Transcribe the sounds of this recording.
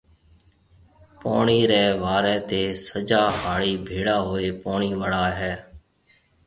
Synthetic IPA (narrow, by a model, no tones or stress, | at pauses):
po̰ːɳiːɾɛːʋaːɾɛ̃ːt̪eːsəd͡ʒaːhaːɭiːbʱeːɽaːɦoːeːpoːɳiːʋəɽaːɦɛː